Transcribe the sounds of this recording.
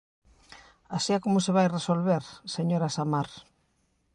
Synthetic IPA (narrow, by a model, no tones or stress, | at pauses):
asiakomʊseβajresolβeɾseɲoɾasamaɾ